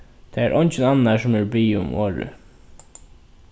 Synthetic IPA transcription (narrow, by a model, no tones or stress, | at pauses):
t̪ʰɛːæɾʔɔɲt͡ʃɪnanːasʊmæɹbiːʊ̰moːɹə̰